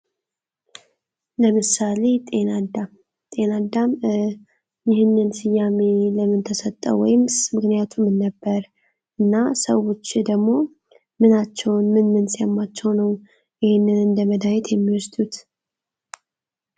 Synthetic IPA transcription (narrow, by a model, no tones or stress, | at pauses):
ləmɨsale̞t̪ʼe̞nad̪am | t̪ʼe̞nad̪am | jɪɦɪnːɨnsɨjːame̞ləmɨnt̪ʰəsət̪ʼːə̰wɔ̰jɪmmɨknijat̪ʰumɨnːəbːəɾ | ʔɨnːasəwo̞t͡ʃːd̪əɡmo̞ | mɨnat͡ʃːɛwnmɨnmɨnsijamːat͡ʃːɛwnəw | jɪhɪnːɨnɨnd̪əməd̪ajɛt̪jɛmːiwɔsd̪ut̪